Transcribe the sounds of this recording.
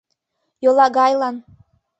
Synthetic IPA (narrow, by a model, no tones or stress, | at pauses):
jolˠɑɣɑjlɑn